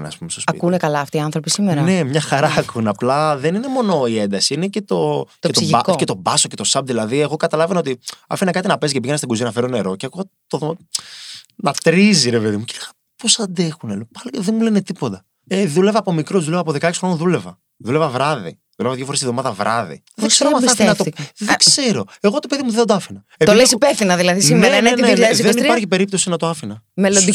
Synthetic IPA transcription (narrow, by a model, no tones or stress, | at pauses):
nḛɐ̰spumest̪ospɐḭkunekɐlɐːft̪iːɐ̃nθɾopisimeɾɐne̞mɲɐxɐɾɐːkʰunɐplɐðe̞nine̞mo̞noiend̪ɐsiinecet̪o̞c̪et̪okce̞t̪o̞bɐso̞ce̞t̪o̞sɐbðilɐðie̞ɣo̞kɐt̪ɐlɐveno̞t̪iɐ̰finɐkɐt̪inɐpescepiʝenɐst̪ɡuzinɐfeɾo̞ne̞ɾo̞ceɐkuɣ | t̪oðo | nɐt̪ɾiziɾepe̞ðimuce̥leɣɐ | po̞sɐnd̪e̞xunelopɐliðenmulenet̪ipot̪ɐ | eðule̞vɐːpomikɾozðulevɐːpoðekɐeksxɾonoðulevɐ̰ | ðule̞vɐvɾɐðḭ | ðulevɐðjʝofo̞ɾesivðo̞mɐðɐvɾʔɐðḭ | ðeɡseɾomɐɐfinɐt̪oðeksseɾo̞e̞ɣo̞t̪o̞pe̞ðimuðed̪oɐfinɐ | ept̪oilesipefθinɐðilɐðisimneeɐneneleðenipɐɾçipe̞ɾip̚t̪o̞sinɐt̪o̞ɐfinɐ | melod̪i